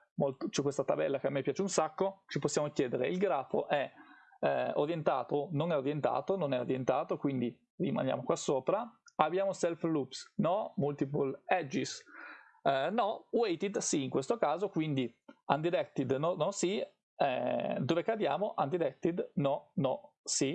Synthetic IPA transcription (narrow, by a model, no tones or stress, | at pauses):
molt̪ot͡ʃɛkːwest̪at̪abɛ̰lːakeamːepːjaːt͡ʃeunsakːot͡ʃiposːjamokjɛːd̪eɾḛilɡɾaːfo̰ʔɛ | o̰ɾjent̪a̰ːt̪ononɛoɾjent̪a̰ːt̪ononɛoɾjent̪aːt̪okwind̪i | rima̰nja̰ːmokwasːoːpɾaabjaːmosɛlflupsnɔmult̪ipolɛd͡ʒis | nɔwɛjt̪id̪siːŋkwest̪okaːzokwind̪iand̪iɾɛkt̪ːid̪nɔnɔsi | ɛd̪ovekad̪ja̰ːmoʔand̪iɾɛk̚t̪id̪nɔnɔsi